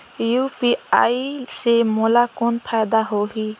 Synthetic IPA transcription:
jupia̰jsemɔlakonpʰajd̪aɦoɦi

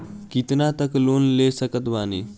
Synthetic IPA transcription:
kit̪nat̪əkloːnlesəkət̪ʋaːni

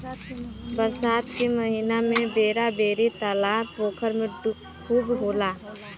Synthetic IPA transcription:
pəɾsaːt̪keməɦinamẽbeːɾabeːɾit̪aːlapoːkʰəɾmẽ | kʰuːbboːlaː

